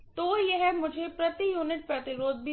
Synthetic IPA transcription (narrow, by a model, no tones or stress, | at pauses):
t̪ojɛɦɛmʊd͡ʒʱepɾɐt̪ijuːnɪʈ̚pɐt̪ɪɾoːd̪̚bʱi